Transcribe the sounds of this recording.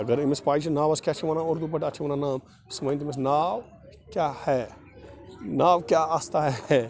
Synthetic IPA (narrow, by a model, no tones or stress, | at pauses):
ɐɡəɾimespaːit͡ʃʰinaːʋɐskʲat͡ʃʰiʋaːnaoɾd̪upɐʈɐt͡ʃʰiʋɐːnanaːm | sɐmɐːnt̪imes̬naːʋ | kjaːhɛː | naːʋkjaːast̪aɦɛɛ